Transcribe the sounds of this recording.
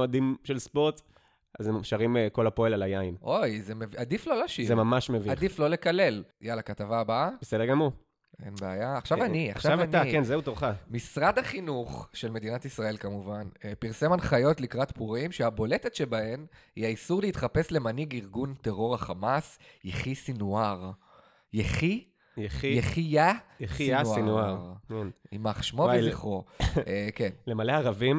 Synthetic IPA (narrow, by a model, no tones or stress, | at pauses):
adimʃelspo̞ʁt̪ | azeʃaʁimko̞lapoelalajainʔo̞jzemevad̪iflo̞laʃizemamaʃmeviad̪iflo̞le̞kale̞ljalakat̪avaːbabesed̪eɡamu | e̞̰nbea̰jaːχʃavania̰χʃaavanaikenzeut̪oʁχamisʁad̪haχinuχʃe̞lme̞d̪inat̪isʁae̞lkamuvanpiʁsemanχajo̞t̪likʁat̪puʁimʃeabo̞le̞tetʃe̞bahe̞mhiaisuʁleiːt̪χape̞sle̞maniɡiʁɡunte̞ʁo̞ʁaχamasjeχisinuaʁ | jeχi | jjeχijajaanaʁʁkenimaχʃmoeziχo̞ | kenlemaleaʁavim